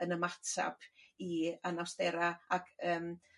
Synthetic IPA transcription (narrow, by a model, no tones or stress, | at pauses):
ənəmatʰa̰pʰianawsdɛɾaaɡəːm